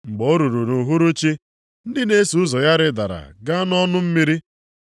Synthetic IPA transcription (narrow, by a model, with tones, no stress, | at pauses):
ŋ͡m̩˨ɡ͡bo˨˦ɾu˨ɾu˨nu˨ɦu˦ɾu˦t͡ʃi˦ | n̩˦dɪ˦ne˦su˨ʊ˦zɔ˨ja˦ɾɪ˦da˨ɾa̰˨ɡa˦nɔ˦nʊ˦m̩˦mi˦ɾi˦